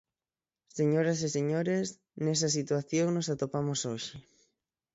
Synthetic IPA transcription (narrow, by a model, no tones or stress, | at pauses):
seɲoɾaseseɲoɾes | nes̬as̬it̪waθjoŋnosat̪opamosoʃɪ